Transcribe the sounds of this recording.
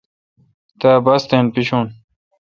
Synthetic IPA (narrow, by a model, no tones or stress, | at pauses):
t̪aːbɐst̪eːnpiɕuːn